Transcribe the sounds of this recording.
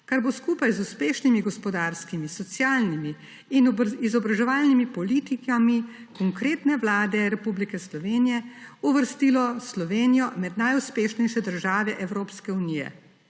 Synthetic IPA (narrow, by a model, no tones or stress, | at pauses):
kaɾboskuːpajzuspeːʃnimiɡɔspɔd̪aɾskimisɔt̪sjaːlnimi | inizɔbɾaʒɛʋaːlnimipɔliːt̪ikami | kɔŋkɾeːt̪nɛʋlaːd̪ɛɾɛpublikɛslɔʋeːnijɛuʋəɾst̪ilɔslɔʋeːnijɔmɛd̪najuspeːʃnɛjʃɛd̪əɾʒaːʋɛʔɛwɾoːpskɛunijɛ̰